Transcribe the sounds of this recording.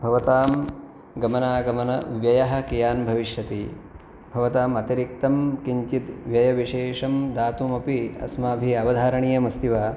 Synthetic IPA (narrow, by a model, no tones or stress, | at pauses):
bʱɐʋɐt̪aːm | ɡɐmɐnaːɡɐmɐnɐ̰ʋjɐjɐɦɐ̆kijaːnbʱɐʋiʃjɐt̪i | bʱɐʋɐt̪aːmɐt̪iɾik̚t̪ɐmkiɲt͡ʃit̪ʋjɐjɐʋiʃeːʂɐmd̪aːt̪umɐpiɐ̰smaːbʱiɐʋɐd̪ʱaːɾɐɳijɐmɐst̪iʋaː